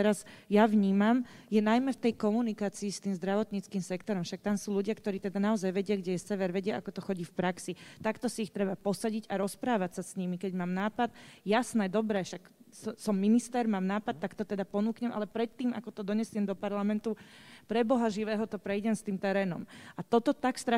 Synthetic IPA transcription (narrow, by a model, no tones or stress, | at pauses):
ɛɾazjaʋɲiːmamjɛnajmɛft̪ɛjkɔmunikaːt͡siːst̪iːmzd̪ɾaʋɔt̪ɲit͡skiːmsɛkt̪ɔɾɔmʃak̚t̪amsuːluɟɪakt̪ɔɾiːt̪ɛd̪anaɔzajʋɛɟɪaɡɟɛjɛsɛʋɛɾʋɛɟɪaakɔt̪ɔxɔɟiːfpɾaksit̪akt̪ɔsiːxt̪ɾɛbapɔsaɟiɟaɾɔspɾaːʋacsasɲimikɛɟmaːmnaːpat̪jasnɛːd̪ɔbɾɛːʃak | ssɔmːinist̪ɛɾmaːmnaːpat̪ːakt̪ɔt̪ɛd̪apɔnuːkɲɛmʔa̰lɛpɾɛt̪ːiːma̰kɔt̪ɔd̪ɔɲɛsɪɛmd̪ɔpaɾlamɛnt̪upɾɛbɔɦaʒiʋɛːɦɔt̪ɔpɾɛjɟɛmst̪iːmt̪ɛɾɛːnɔ̰mat̪ɔt̪ɔt̪akst̪ɾa